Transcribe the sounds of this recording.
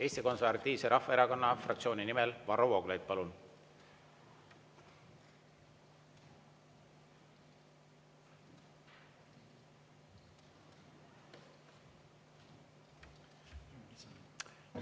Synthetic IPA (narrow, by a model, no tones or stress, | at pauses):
e̞ːst̪iko̞nsevɑt̪ːiːvseɾɑhfɑeɾɑko̞nːɑfrɑkt̪sio̞ːninimelvɑɾowoɡlejd̪̥̚pɑlun